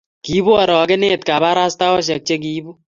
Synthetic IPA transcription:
ki˦bu˦ɔ˨ɾɔ˨kɪ˦ne˦t̪̚ka˨ba˦ɾa˦sta˦wɔ˦ʃ̬ɛ˨k̚t͡ʃe˦k̬i˦bu˦

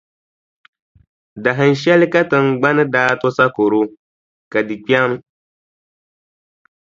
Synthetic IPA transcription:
da˨ɦɨ˨n˦ʃɛ˦lɪ˦ka˦tɨ˨ŋ˨ɡ͡ba˦nɨ˦daː˦tʊ˦sa˦ko˨ɾo˦ | ka˨di˨k͡pa˦mɨ˦

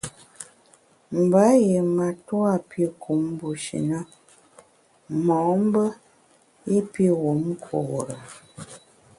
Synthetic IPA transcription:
m̩˨ba˨˦je˨ma˨twa˦˨pi˦kʰu˨˦m˦bu˨ʃḭ˨nə˦ | mɔ˨˦m̩˦bə˦ | e˦pi˦wo˨˦m˦kʰo̰˨ɾə˨

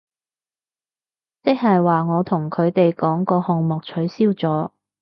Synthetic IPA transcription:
t͡sɪ˥k̚hɐ˨jwaː˨ŋɔː˨˧t̪ʰʊ˨˩ŋkʰɵ˨˧ɥt̪e˨jkɔː˨˥ŋkɔː˧hʊ˨ŋmɔː˨k̚t͡ʃʰɵ˨˥ɥsiː˥wt͡sɔː˨˥

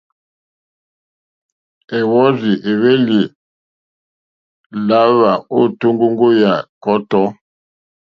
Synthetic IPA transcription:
ɛ˨wɔ˦zi˨ʔe˨βe˦li˨ | la˨˦βa˨o˦˨tu˦ŋɡo˦ŋɡo˦ja˨kɔ˦tɔ˨˦

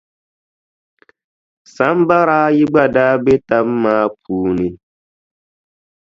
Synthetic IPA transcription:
sa˨˦mba˦ɾaː˦ji˦ɡ͡ba˨daː˦be˦ta˦mː˦aː˦p̚ʰuː˨ni˨

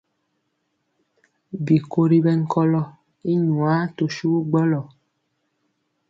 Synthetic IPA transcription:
bi˨ko˦ɾi˦bɛ˦ŋ̩˦kɔ˦lɔ˦ | i˦ɲwa˨˦to˨ʃu˦ɡ͡bɔ˦lɔ˨

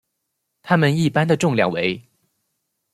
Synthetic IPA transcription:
t̪ʰa˥mə˨ni˥˩pa˥nd̪ə˨ʈ͡ʂʊ˥˧ŋljɑ̰˥˩ŋwe˧˥ɪ

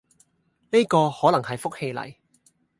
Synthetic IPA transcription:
ne˥jkɔː˧hɔː˨˥lɐ˨˩ŋhɐ˨jfʊ˥k̚he˧jlɐ̰˨˩j

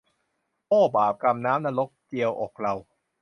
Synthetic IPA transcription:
pɔː˥˩baː˨˩p̚ka˧mnaː˦˥mnaː˧lo˦˥k̚t͡ɕi˧əwʔɔː˨˩k̚ɾa˧w

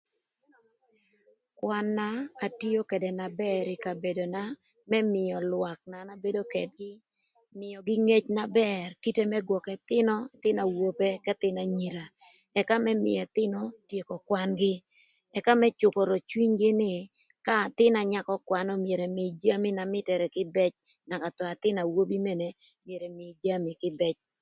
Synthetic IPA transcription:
kwa˦nːaː˦˨ti˦o˦ke˨dɛ˨na˨bɛ˦ɾɪ˨ka˨be˨do˨na˦ | mɛ˦mɪ˨jɔ˨lwa˨k̚na˨na˦be˦do˦kɛ˨d̚ɡɪ˦ | mɪ˨jɔ˨ɡɪ˦ŋe˦t͡ʃna˦bɛrki˦te˦mɛ˦ɡwɔ˨kɛ˨t̪ɪ˦nɔ˦t̪ɪ˦na˨wo˦˨pe˦kɛ˦t̪ɪ˦na˨ɲi˨ɾa˨ | ɛ˨ka˦mɛ˦mɪ̰˨ɛ˨t̪ɪ˦nɔ˦tje˨kɔ˨kwa˦nɡɪ˦ | ɛ˨ka˦mɛ˦t͡ʃʊ˨kɔ˨ɾɔ˨t͡ʃwi˦ɲɡɪ˦nɪ˦˨ | ka˦˨t̪ɪ˦na˨ɲa˦kɔ˦kwa˦nɔ˦mje˨ɾɛ˨mɪ˨d͡ʒa˦mi˦na˨mɪ˦tɛ˨ɾɛ˨kɪ˦bɛ˦t͡ʃ | na˨ka˨tɔ˨a˨t̪ɪ˦na˨wo˦bi˦mɛ˦ne˨ | mje˨ɾɛ˨mɪ˨d͡ʒa˦mi˨kɪ˦bɛ˦t͡ʃ

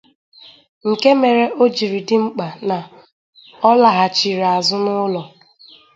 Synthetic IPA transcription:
ŋ̩˨ke˦me˨ɾe˦ʔo˦d͡ʒi˨ɾi˨dɪ˦ŋ͡m̩˦k͡pa˨na˨ | ɔ˦la˨ɦa˨t͡ʃi˨ɾa˨zʊ˦nʊ˦lɔ˨

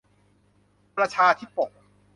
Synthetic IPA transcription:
pɾa˧t͡ɕʰaː˧t̪ʰi˦˥˩po˨˩k̚

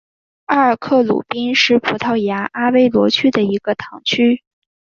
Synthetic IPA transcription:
a˥˧ə˞˨˩kʰɤ˥˩lṵ˨˩pi˥nʂɻ̩˥˩pʰu˧˥t̪ʰɑ˥˩ʊja˧˥ʔa˥we˥ɪlwɔ˧˥t͡ɕʰy˥d̪ə˨i˧˥ɡ̥ə˧t̪ʰɑ˧˥ŋt͡ɕʰy˥

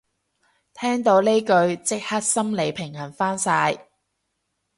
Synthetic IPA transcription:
t̪ʰɛː˥ŋt̪o˨˧˥wne˥jkɵ˧ɥt͡sɪ˥k̚hɐ˥t̚sɐ˥mle˨˧jpʰɪ˨˩ŋhɐ˨˩nfaː˥nsaː˧j

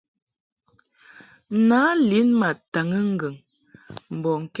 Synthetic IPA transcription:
naː˨˦li˨˦nma˨ta˨ŋə˦ŋ̩˨ɡə˨ŋ | m̩˨bɔ˨ŋ̩˨k

